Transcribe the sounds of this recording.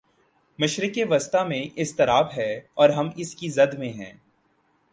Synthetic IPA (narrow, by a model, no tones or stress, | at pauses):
mɪʃɾɪkeʋɐst̪amẽʔɪst̪ɪɾaːbɦɛɔːɾɦɐmɪskizɐd̪mẽɦɛ̰̃ː